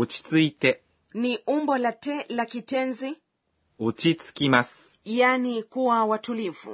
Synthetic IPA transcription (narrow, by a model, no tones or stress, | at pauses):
ot͡ɕi̥t͡sɨit̪e | niʔumbɔlatɛlakitɛnzi | ot͡ɕit͡sɨ̥kʲimasɨ̥ | janikuwawatulivṵ